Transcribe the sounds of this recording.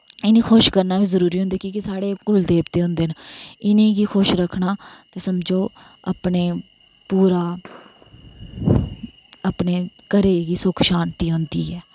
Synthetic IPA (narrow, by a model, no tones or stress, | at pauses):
ɪnĩːkʰoʃkəɾnaːbiːzəɾuːɾiːɦʊ̃nd̪eːkikɪsaːɽeːkʊld̪eːbt̪eːɦʊ̃nd̪eːnɪnẽːɡiːxʊʃɾəkʰnaːt̪eːsəmd͡ʒoː | apɳeː | puːɾaː | əpneːkəɾeːɡiːsʊkʰʃaːnt̪iːɦõnd̪iːɛː